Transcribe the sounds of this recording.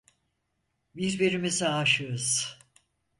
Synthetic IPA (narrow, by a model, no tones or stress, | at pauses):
bizbiɾimizaɦaʃɯɾuz̥